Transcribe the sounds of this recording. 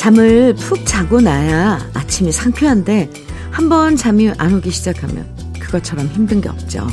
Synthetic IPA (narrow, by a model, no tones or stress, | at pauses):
t͡ɕamɯɭpʰuk̚t͡ɕaɡonajaːt͡ɕʰimisʰaŋpʰjoɦande̞ | hambʌnt͡ɕamiʔanoɡiɕʰid͡ʑakʰamjʌ̰n | kɯɡʌt͡ɕʰʌɾʌmçimdɯnɡe̞ʌ̰p̚t͡ɕ͈o̰